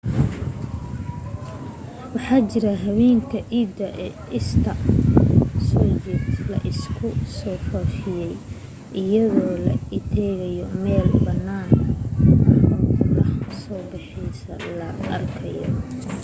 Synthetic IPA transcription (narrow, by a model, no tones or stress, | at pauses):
wɑħɑːt͡ʃɪɾɐɦɐβɛːŋkʰɐʕiːd̪ɐʔɛʔɪst̪ʰɐ | sɔːjɛlɐ̰ʔɪskʰʊsɔːfɐfɪjɛj | ʔɪjɐðɔːlɐ̰ɪt̪ʰɛːɣɐjɔmɛːlbɐnːaːn | rɔnɐhsɔːbɑħɪjsɐ̰lɐʔɐ̰rkʰɐjɔ̰